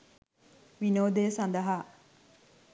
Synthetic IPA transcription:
ʋinoːd̪eːsɐnd̪ɐɦaː

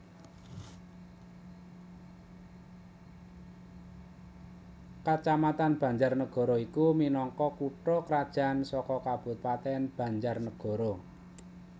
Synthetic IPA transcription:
kat͡ʃamat̪anb̥a̤ɲd͡ʒarnəɡ̥ɔ̤ɾɔikuminɔŋkɔkuʈɔkɾad̥ʒ̥a̤nsɔkɔkab̥ʊ̤t̪̚pat̪ɛnb̥ä̤ɲd͡ʒarnəɡ̥ɔ̤ɾɔ

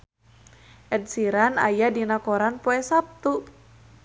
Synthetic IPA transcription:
ʔɛdsiɾana̰jadinakoɾanpoɛsap̚t̪u

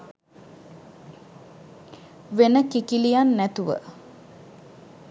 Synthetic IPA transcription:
ʋenəkikilijanːæt̪uʋə̰

